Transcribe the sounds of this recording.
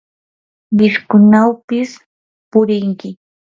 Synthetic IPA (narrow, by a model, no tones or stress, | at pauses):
mɪskʊnawpɪs | pʊɾɪŋkɪ